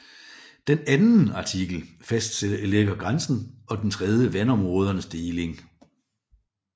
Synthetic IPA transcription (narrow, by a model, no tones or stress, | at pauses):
d̥enænn̩ɑ̈t͡sʰiɡ̥l̩ | fæsd̥sed̥ɐeleɡ̥ɐɡ̥ʁansn̩ɒ̽d̥ent͡sʰʁɛð̞ˠjəʋænɒ̽mʁɔ̽ːð̞ˠɐnəsd̥e̝ːle̝ŋ